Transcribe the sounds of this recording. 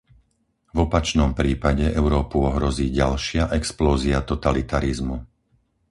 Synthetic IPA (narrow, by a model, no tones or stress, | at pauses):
vɔpat͡ʃnɔmpɾiːpaɟɛʔɛʊɾɔːpuɔɦɾɔziːɟalʃɪaʔɛksplɔːziat̪ɔt̪alit̪aɾizmu